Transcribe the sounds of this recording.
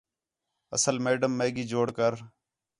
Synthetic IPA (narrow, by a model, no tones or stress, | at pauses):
ə̰səlmeːɖəmːeːɡiːd͡ʒoːɽkəɾ